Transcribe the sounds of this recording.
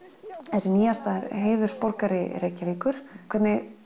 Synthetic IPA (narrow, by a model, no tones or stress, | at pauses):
ɛsɛniːjast̪aɾɦeːjðʏɾ̥spɔɾkaɾɪɾeːcːaviːkʏɾ̥kʰvɛɾt̪nɪɣ